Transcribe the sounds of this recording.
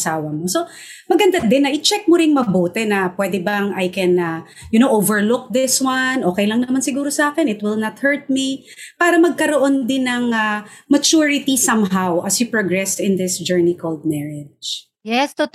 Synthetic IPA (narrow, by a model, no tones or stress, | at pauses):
saːwɐmoso | mɐɡɐnd̪ad̪ɪnːɐʔɪt͡ʃɛk̚moɾɪŋmɐboːt̪ɛnɐpwɛd̪ɛbɐŋʔajkɛ̃nɐ | jʊnowʔovɛɹlʊk̚ðɪswanʔoːkɛjlɐŋnɐmansɪɡuːɾosɐʔaːkɛnɪt̪wɪlnɐt̪hɛɹt̪̚mi | paːɾɐmɐɡ̚kɐɾoʔond̪ɪnːɐŋamɐt͡ʃuɹɪt̪isɐmɦawʔɐsjupɹoɡɹɛst̪ɪ̃nd̪ɪsd͡ʒɛɹnikʰold̪̚mɛɹɛd͡ʒ | jɛst̪o